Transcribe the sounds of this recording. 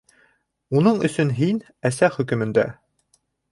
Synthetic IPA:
unɤɴɵ̆sɵnɦin | æsæχɵ̆kɵ̆mɘ̆nd̪æ̰

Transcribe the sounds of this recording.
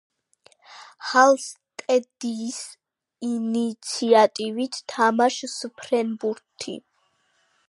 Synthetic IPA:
halˠst̪ʼɛd̪iːs | init̪sʰiat̪ʼivit̪ʰt̪ʰamaʃspʰɾɛnbuɾt̪ʰːḭ

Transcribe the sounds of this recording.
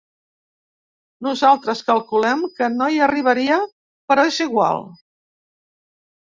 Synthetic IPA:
nuzalˠt̪ɾəskəlˠkulɛmkənoiəriβ̞əɾiə | pəɾɔeziɣwa̰lˠ

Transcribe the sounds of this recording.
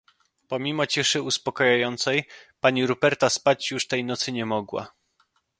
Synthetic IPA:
pɔmʲimɔt͡ɕiʂɘuspɔkɔjajɔnt̪sɛjpaɲiɾubɛɾt̪aspat͡ɕjuʂt̪ɛjnɔt̪sɘɲɛmɔɡwa̰

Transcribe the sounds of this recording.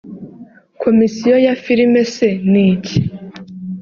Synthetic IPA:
kʰo̞misijojafiɾimeseniːci

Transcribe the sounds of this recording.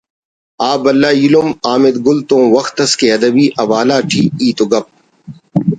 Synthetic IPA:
aːbɐlːaːjulumaːmɪd̪ɡʊlt̪õːwɐxt̪ɐskeɐd̪ɐbiːʔɐwaːlaːʈʰiːiːt̪oɡɐp̚

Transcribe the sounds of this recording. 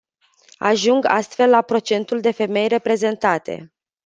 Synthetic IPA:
a̰ʒuŋɡa̰st̪fe̞lːapɾo̞t͡ʃe̞nt̪uld̪e̞fe̞me̞jre̞pɾe̞ze̞nt̪at̪ʰe̞̰

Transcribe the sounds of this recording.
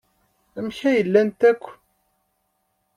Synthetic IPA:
æmçæjəlːænt̪ækʷː

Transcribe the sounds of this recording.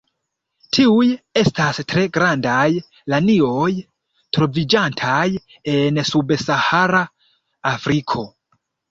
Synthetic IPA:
tʰiuje̞stastɾe̞ɡɾandaj | lanio̞j | tɾo̞vid͡ʒantʰaj | e̞nsubsahaɾaː | fɾikʰo̞

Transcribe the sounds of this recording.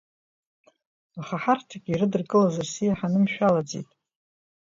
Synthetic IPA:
aχaħartʰaɡʲiɾɨdɨrkʼɨlazarsijaħanɨmʃᶣalad͡zḭtʼ

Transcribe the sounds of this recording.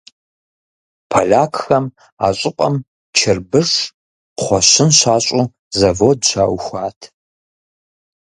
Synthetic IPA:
pʰɐɮaːkʰxɐm | aːɕʼɪqʼɐm | t͡ʃʰɪrbɨʂ | χʷɔɕɪnɕaːɕʼʊ | zɐvoːdɕaːwxʷaːtʰ

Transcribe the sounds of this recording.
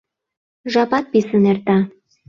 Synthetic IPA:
ʒɑpɑt̪̚pisənert̪ɑ

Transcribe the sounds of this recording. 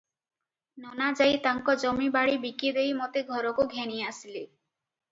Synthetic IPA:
nɔnad͡ʒajt̪aŋkɔd͡ʒɔmibaɽibikid̪ejmɔt̪eɡʱɔɾɔkoɡʱeniasile

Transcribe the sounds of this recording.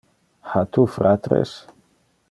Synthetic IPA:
hat̪ufɾat̪ɾḛs

